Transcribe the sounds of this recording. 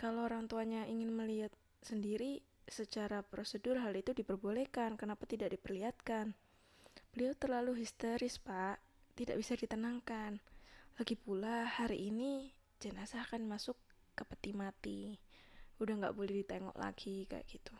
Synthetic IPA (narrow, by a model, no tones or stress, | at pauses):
kalooɾaŋt̪uaɲaʔiŋɪnməliat̪̚ | səndiɾi | sət͡ʃaɾapɾosədʊrɦalit̪udipərbolekankənapat̪idaʔ̚dipərliɦat̪̚kan | b̥əliat̪ərlaluɦist̪əɾɪspaʔ | t̪ida̰ʔbisadit̪ənaŋkanlaɡipulahaɾḭʔːni | d͡ʒənasakanmasʊkː | əpət̪imat̪i | udahŋɡa̰ʔbolɛhdit̪eŋɔ̰ʔla̰ɡika̰ʔɡ̥it̪u̥